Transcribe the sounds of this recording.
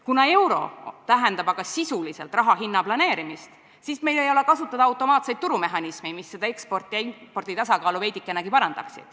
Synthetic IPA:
kunɑe̞wɾo̞̰t̪æɦend̪ɑbɑɡ̥ɑsisulise̞lt̪ˑrɑɦɑɦinːɑplɑne̞ːɾimist̪ | sisme̞jlejo̞le̞kɑsut̪ːˑɑd̪̥ɑɑwt̪ˑːo̞mɑːt̪se̞jd̪̚t̪uɾume̞ɦɑnismemisːe̞d̪̥ɑe̞ksport̪ːˑiipo̞rd̪̥it̪ɑsɑkɑːluve̞jd̪ikːˑenɑkipɑɾɑnd̪̥ɑ̰ksḭd̪̥

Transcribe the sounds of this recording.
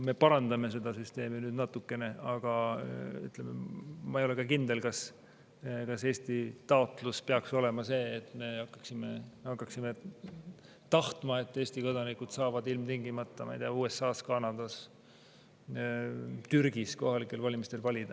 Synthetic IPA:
me̞pɑɾɑnd̪ɑme̞s̬e̞d̪̥ɑsyst̪e̞ːminyːd̪nɑt̪ːukːˑe̞ne̞ɑɡ̥ɑy̰t̪ˑlemḛmɑijole̞kɑkind̪e̞lkɑs | kɑse̞ːst̪it̪ɑo̞t̪ˑluspeɑkso̞le̞mɑse̞ːt̪ːˑme̞hɑkːɑ̥ksime̞hɑkːˑɑksime̞ | t̪ɑht̪mɑe̞t̪ːˑeːsʲt̪iko̞d̪ɑnikud̪̥sɑːvɑd̪ilmt̪iŋɡimɑt̪ːɑmɑ̰jd̪eɑuːe̞sːɑːskɑnɑd̪̥ɑs | t̪yɾɡ̥isko̞hɑlikːˑe̞lvɑlʲimist̪e̞lvɑlʲid̪̥ɑ

